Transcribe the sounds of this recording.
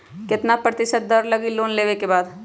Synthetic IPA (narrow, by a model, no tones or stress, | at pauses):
kɪt̪napɾɐt̪ɪʃət̪̚d̪ɐɾlɐɡiloːnleːʋekebaːd̪